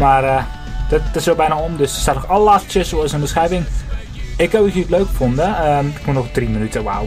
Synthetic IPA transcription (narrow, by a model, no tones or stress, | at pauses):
mar | d̥ətɪsʋɛlˠbɛjnaomdøsəstatnɔxɔlˠlastjəsoəsənbəsxɛjvɪŋ | ɪkəbikitløːkfondəəɪkmunɔxdriminytəʋa̰w